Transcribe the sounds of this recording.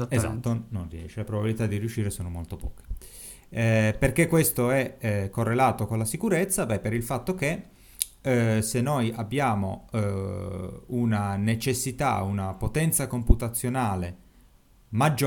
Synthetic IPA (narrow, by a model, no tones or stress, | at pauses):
eza̰t̪ːononriɛ̰ːʃelapɾobabilit̪ad̪ːiɾiuʃːiːɾesoːnomolt̪opɔ̰ːk̟e̥ | perkekːwest̪oɛkːorːelaːt̪okonlasikuɾet̪sːabɛpeɾilfat̪ːok̟e | senːojabːjaːmo̰ | unanet͡ʃesːit̪a̰unapot̪ɛnt̪sakomput̪at̪sːjonaːle | mad͡ʒː